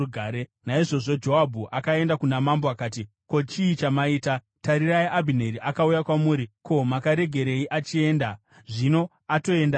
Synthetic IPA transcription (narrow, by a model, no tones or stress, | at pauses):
uɡʱaːɾenaiʐo̞ʐo̞d͡ʒo̞ɦabʱuʔakae̞ndakunamambo̞akaːti | ko̞t͡ʃiːt͡ʃamaiːta | taɾiraiʔabʱine̞ɾiʔakaujakwamuːɾiko̞makaɾe̞ɡʱe̞ɾe̞iʔat͡ʃie̞ːnda | ʐino̞ | ato̞e̞nda